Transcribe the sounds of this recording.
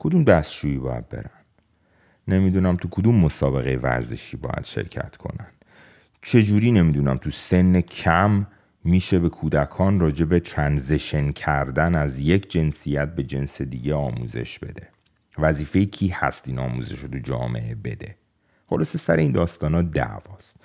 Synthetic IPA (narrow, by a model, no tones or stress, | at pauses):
kʰod̪umd̪æst̪d͡ʒuːiːbɒːjæ̰d̪̚be̞̰ɾæn | ne̞mid̪unæmt̪ʰukʰod̪umːosɒːbe̞ɣejevæ̰ɾze̞̰ʃiːbɒ̰ːjæ̰d̪̥ʃḛɾcʰæ̰t̪ʰkʰo̞̰nænd̪̥ | t͡ʃʰe̞d͡ʒuːɾiːne̞miːd̪unæmt̪ʰuse̞nːecʰæmː | iːʃe̞be̞kʰuːd̪ækʰɒːnrɒːd͡ʒe̞bet̪ʰɾænzeʃencʰæɾd̪ænæzje̞cʰd͡ʒe̞nsijæt̪̚be̞d͡ʒe̞nsed̪iːɟeɒːmṵːze̞̰ʃbe̞̰d̪e̞ | væziːfe̞jicʰiːhæst̪inɒːmṵze̞̰ʃot̪ʰud͡ʒɒ̰ːme̞̰ʔe̞be̞d̪e̞ | χo̞lɒːse̞sæɾeiːnd̪ɒːst̪ɒːnɒːd̪æ̰ʔvɒːst̪̚